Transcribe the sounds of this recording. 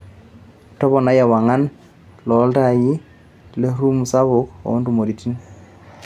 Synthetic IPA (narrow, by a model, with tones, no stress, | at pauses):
tɔ˦βɔ˨na˦ja˨wa˨ŋa˦n | lɔ˨˦lta˦˨ji˦ | le˦ɾu˦mu˨sa˦βʊ˦kɔ̰˨˦ndu˨mo˨ɾi˨ti˦n